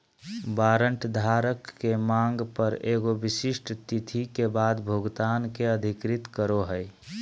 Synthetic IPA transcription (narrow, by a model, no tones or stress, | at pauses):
baːɾəɳʈd̪ʱaːɾəkːemãːŋɡpəɾeːɡobɪsɪʃʈʰt̪it̪ʰikebaːd̪bʱoɡt̪aːnkeəd̪ʱɪkɾɪt̪kəɾoɦəj